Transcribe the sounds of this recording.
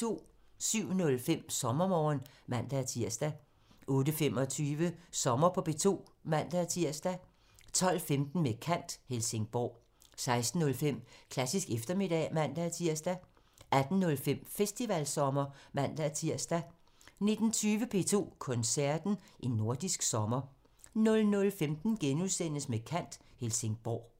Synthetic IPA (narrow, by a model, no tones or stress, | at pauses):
t͡sʰo̝̰ː | syʊ̰nɔ̽lfem̰sɒ̽mɐmɒ̰ːnmæn̰d̥æt͡sʰiɐ̰sd̥æ | ʔɔ̽ːdəfem̰ɒ̽t͡sʰyːʋəsɒ̽mɐpʰɒ̽b̥e̝t͡sʰo̝̰ːmæn̰d̥æt͡sʰiɐ̰sd̥æ | t͡sʰɒ̽l̰femd̥n̩mekʰæn̰d̥helse̝ŋb̥ɒ̰ː | sɑ̈ɪsd̥n̩ːɔ̽lfem̰kʰlæsisɡ̥efd̥ɐme̝d̥ɛ̰mæn̰d̥æt͡sʰiɐ̰sd̥æ | ʔæd̥n̩ːɔ̽lfem̰fesd̥iʋælsɒ̽mɐmæn̰d̥æt͡sʰiɐ̰sd̥æ | ne̝d̥n̩t͡sʰyːʋəpʰe̝̰ːt͡sʰo̝̰ːkʰɔ̽nsæɐ̰d̥n̩ʔenːo̝ɐd̥isɡ̥sɒ̽mɐ | nɔ̽lnɔ̽lfemd̥n̩ɡ̥enuðˠsen̰əsmekʰæn̰d̥helse̝ŋb̥ɒ̰ː